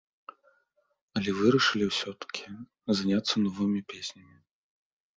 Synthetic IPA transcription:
ɐlʲɛvɨɾɐʂɨlʲiwsʲɔt̪ɐ̥kʲʰi | zanʲat̪sːɐnɔvɨmʲipʲesʲnʲɐmʲi

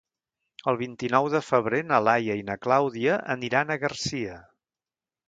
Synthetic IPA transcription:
əlˠβ̞int̪inɔwðəfəβ̞ɾenəlajəinəklawðiəʔə̰niɾanəɣərsiə

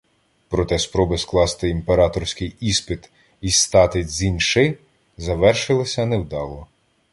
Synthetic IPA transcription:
pɾɔt̪ɛspɾɔbɪsklˠɑst̪ɪimpeɾɑt̪ɔɾsʲkɪjispɪt̪ | ist̪ɑt̪ɪzʲinʲʃɪ | zɐʋɛrʃɪlˠɪsʲɐnewd̪ɑlˠɔ

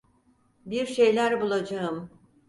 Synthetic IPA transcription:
biɾʃe̞jlʲæɾbulˠad͡ʒaɯm

